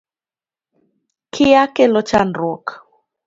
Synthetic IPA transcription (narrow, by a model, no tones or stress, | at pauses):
kʰijakɛlɔt͡ʃandɔkḁ